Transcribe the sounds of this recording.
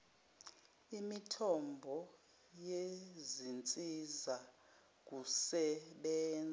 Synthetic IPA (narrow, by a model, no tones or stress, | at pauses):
imitʰɔmbʱɔ | jezint͡sʼiza | k̬usɛɓɛːnd͡za